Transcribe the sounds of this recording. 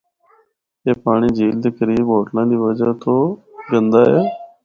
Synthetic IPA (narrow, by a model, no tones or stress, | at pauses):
eːpaːɽ̃iːd͡ʒiːld̪eːkəɾiːbɦoːʈnãːd̪iːʋəd͡ʒaːt̪õːɡənd̪aːɛː